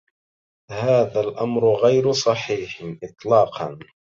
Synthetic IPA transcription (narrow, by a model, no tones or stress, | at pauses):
haːðalʔamɾɣajɾsˤɑħiːħʔɨt̪ˤlɑːqɑn